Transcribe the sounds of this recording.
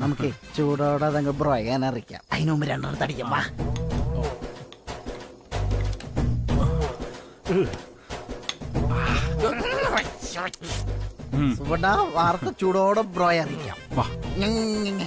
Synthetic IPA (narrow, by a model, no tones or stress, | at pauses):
nɐmukːɨt͡ɕuːɽoːɽɐɐðeŋɡɐlbroːjaːnaɐrikʲːa̰ːmɐjinumbiɾeɳɖɐnt̪ɐɽikʲːamba̰ː | a | subɐɳɖaʋaːrɐt̪ːɐt͡ɕuːɽoːɽobroːjɐɐrikʲːa̰ːmaŋŋːe